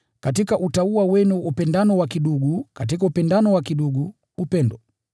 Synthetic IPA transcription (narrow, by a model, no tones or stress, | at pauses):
katikaʔutauwawɛnuupɛndanɔwakiɗuɡukat̬ikaupɛndanɔwakiɗuɡu | upɛndɔ